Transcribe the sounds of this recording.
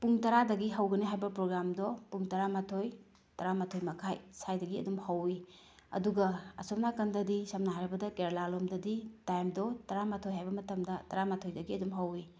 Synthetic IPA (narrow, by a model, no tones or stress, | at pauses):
puŋtɐɾadɐɡiɦɐwɡɐniɦajbɐpɾoɡɾamdɔpuŋtɐɾamatʰoj | tɐɾamatʰojmɐkʰajsajdɐɡiɐ̰dumhɐwi | ɐ̰duɡɐɐ̰sop̚nakɐndɐdisɐmnaɦajɾɐbɐdɐkeɾlalomdɐditajmdɔtɐɾamatʰojɦajbɐmɐtɐmdɐtɐɾamatʰojdɐɡiɐdumɦɐwi